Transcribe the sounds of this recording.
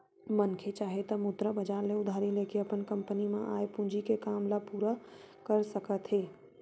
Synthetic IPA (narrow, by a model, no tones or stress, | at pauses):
mənkʰet͡ʃaːɦet̪əmʊd̪ɾəbəd͡ʒaːɾneʊd̪ʱaːɾilekiəpənkəmpənimẽʔaːepũd͡ʒikekaːmlapuɾəkəɾsəkət̪ɦeː